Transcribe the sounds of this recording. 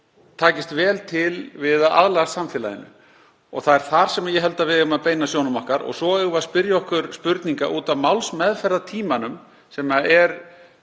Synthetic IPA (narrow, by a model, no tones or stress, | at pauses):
t̪ʰaːcɪst̪vɛːlt̪ʰɪlvɪðaa̰ðlɛɣasamfɪːla̰ðɪ̰nːʏ̰ | ɔɣθaðɛɾ̥θaɾ̥sɛmaɾjɛɦɛlt̪avɪðʏmaðpeːjnasjoːwnʏmahkaɾɔ̰ɣsɔœɣvaðspɪɾjaɔhkʏɾspʏɾt̪niŋka̰ʔuːt̪avmawlsmɛðfɛɾðat̪ʰiːmanʏm | sɛmaɛɾ